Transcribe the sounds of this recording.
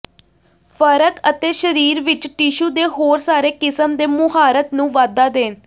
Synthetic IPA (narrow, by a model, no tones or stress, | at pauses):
fʰəɾəkət̪eːʃəɾiːɾʋɪt͡ʃʈɪʃuːd̪eːɦoːɾsaːɾeːkɪsəmd̪eːmʊɦaːɾət̪nũːʋaːd̪aːd̪eːn